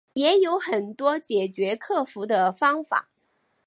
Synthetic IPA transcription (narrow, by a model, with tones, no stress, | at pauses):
jɛ˧˥jo˧˥ʊxə˨˩nt̪wɔ˥t͡ɕjɛ˨˩t͡ɕɥɛ˧˥kʰɤ˥˩fu˧˥d̪ə˧fɑ˥ŋfa̰˨˩˦